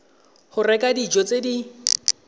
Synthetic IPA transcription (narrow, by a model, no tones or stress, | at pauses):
hʊrɛkʼadid͡ʒɔt͡sʼedi